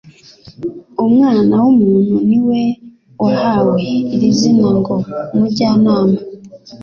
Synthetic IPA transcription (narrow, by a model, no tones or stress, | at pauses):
omŋaːnawomuːn̥huniwe̞ | wahaweːɾizinaŋɡomuɟaːnaːma